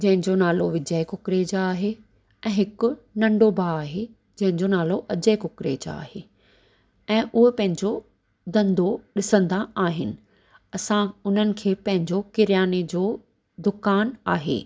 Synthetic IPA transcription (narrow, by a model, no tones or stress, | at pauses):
d͡ʑɐ̃ɦɪ̃ɲd͡ʑonaːloʋɪd͡ʑəekʊkɾeːd͡ʑaaːɦe | ɛ̃ːɦɪkʊ̆nɐ̃ɳɖobʱaːaːɦe | d͡ʑɐ̃ɦɪ̃ɲd͡ʑonaːloʔɐd͡ʑəekʊkɾed͡ʑa̰a̰ːɦeː | ɛ̃ːʔʊɦepɐ̃ɦɪ̃ɲd͡ʑo | d̪ɐ̃nd̪ʱoɗɪsə̃nd̪aaːɦɪnɪ̆ | ɐsãʊn̤ənɪ̆kʰeːpɐ̃ɦɪ̃ɲd͡ʑokɪɾijaːned͡ʑoː | d̪ʊkaːnaːɦḛː